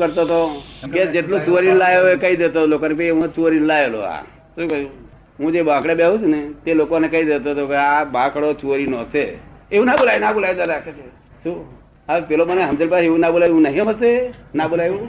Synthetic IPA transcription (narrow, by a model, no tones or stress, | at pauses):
kəɾt̪ot̪oked͡ʒeʈlot͡ʃuɾinlajoekəid̪et̪olokonep̬eieũt͡ʃuɾinlajelo̰a̰ | ũkəu | ɦũd͡ʒebãkɽebeɦũt͡ʃʰunet̪elokonekəid̪et̪ot̪okeabãkɽot͡ʃuɾinɔːseeũnabolajnabolajd̪aɾakʰet͡ʃʰe | su | apeloməneɦəmd͡ʒelpaeũnabolajũnəɦĩməsenabolajũ